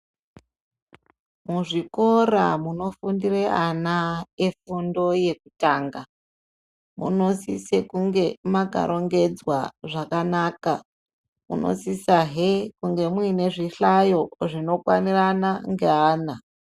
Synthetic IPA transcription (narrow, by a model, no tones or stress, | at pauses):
muʐiko̞ramuno̞fundireʔanaefundo̞je̞kutaːŋɡa | mṵno̞sisekuŋɡe̞maɡʱa̰ɾʔo̞ŋɡe̞d͡zwa̰ʐakanaːka | mṵnʔo̞̰sisaɦekuŋɡe̞mwine̞ʐiɬajo̞ʐino̞kwa̰niranaŋɡeaːna